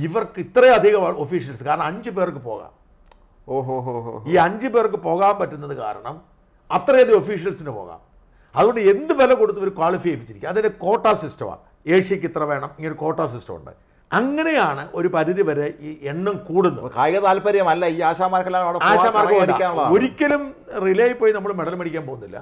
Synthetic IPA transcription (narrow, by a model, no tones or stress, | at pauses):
iʋɐrkɨit̪rɐjɐd̪ʱiɣɐmaofiːʂijɐlsɨkaːɾɐɳɐmɐɲd͡ʑɨpeːrk̬ːɨpo̞̰ːɣa̰ːm | oːɦoɦoɦiːɐɲd͡ʑɨpe̞ːrk̬ːɨpo̞ːɣaːmpɐtːunːɐðɨka̰ːɾɐ̰ɳɐm | ɐt̪rɐjɐd̪io̞fiːʂijɐlsinɨpo̰ːɣa̰ːm | ɐðuɣoɳɖɨe̞nd̪ɨpɐlɐko̞ɽut̪ːuʋɐɾukwaːɭifijɐjpːit͡ɕːiɾikʲːumɐðindeko̞ːʈːaːsistɐ̰ma̰ː | e̞ːʂjɐkʲːit̪rɐʋe̞ːɳɐmiŋːɐneko̞ːʈːaːsistɐ̰mṵɳɖɨ̰ | ɐŋːɐne̞jaːɳɨʔo̞ɾupɐɾiðiʋɐɾeieɳːɐmkuːɽunːɐ̰kaːjɣɐt̪aːlpɐɾɐjɐmɐlːɐiːaːɕaːmaːɾɐkːelːaːoːɽeaːaːmaːɾɐkɐɐɖia̰kːaːnuɭːɐðao̞ɾikʲːɐlum | rileːjpːoːjinɐmːɐɭmeɽɐlmɐɽikʲːaːmpoːɣunːilːɐ̰